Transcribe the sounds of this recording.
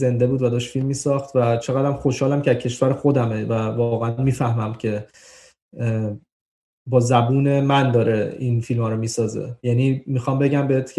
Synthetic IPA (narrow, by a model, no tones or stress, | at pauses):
ze̞nd̪e̞buːd̪væd̪ɒːʃt̪filmːiːsɒːxt̪væt͡ʃʰe̞ɣæd̪ɾæmχoʃhɒːlæmcʰeæ̥cʰe̞ʃvæɾexo̞d̪æmevævɒɣeænmiːfæhmæmcʰe̞ | bɒːzæbuːne̞mænd̪ɒːɾeinfilmɒːɾomiːsɒːzḛjænimixɒːmbe̞ɟæmbeet̪ʰc